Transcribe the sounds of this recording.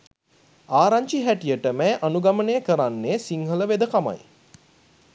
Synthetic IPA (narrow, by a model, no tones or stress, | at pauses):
aːɾaɲt͡ʃiɦæʈijəʈəmɛːʔanuɡamənejəkəɾanːesiŋɦələʋed̪əkama̰j